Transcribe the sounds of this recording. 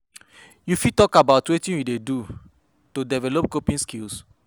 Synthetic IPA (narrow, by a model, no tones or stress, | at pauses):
jufitɔkabaʊtwetĩnjudedu | todɛvɛlop̚kopĩnskils